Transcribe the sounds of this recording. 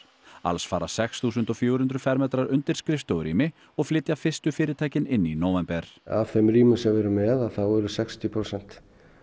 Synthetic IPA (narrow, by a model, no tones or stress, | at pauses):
a̰lsfaːɾasɛksθuːsʏnt̪ɔɣfjoːɾhʏnt̪ɾʏfɛɾmɛt̪ɾaɾʏnt̪ɪɾ̥skɾɪft̪owɾḭːmɪ | ɔɣflɪt̪jafɪ̥st̪ʏfɪːɾɪt̪ʰaːjcɪnɪnːinoːwvɛmpɛɾ̥a̰vθɛmɾiːmʏsɛmvɛɾʏmɛðaθawɛɾʏsɛkst̪ipʰɾosɛn̥t̪